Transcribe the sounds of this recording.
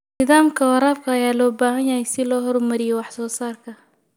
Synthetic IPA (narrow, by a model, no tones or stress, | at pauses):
nɪðaːmkʰɐwɑɾaːbkʰɐɐjaːlɔːbaːɦɐnjɐhɛjsɪlɔːɦɔrmɐɾɪjɛwɑħsɔːsaːrkʰɐ